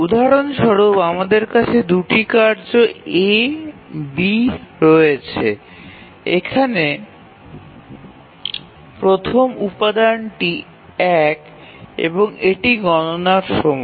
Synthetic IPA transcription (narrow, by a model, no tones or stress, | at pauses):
ud̪ʱaɾonʃɔɾobamad̪eɾkat͡ɕʰed̪uʈikaɾd͡ʑoe | biɾɔet͡ɕʰe | ekʰane | pɾot̪ʰomupad̪anʈi | ɛk | ḛboŋeʈiɡɔnonaɾʃɔmɔ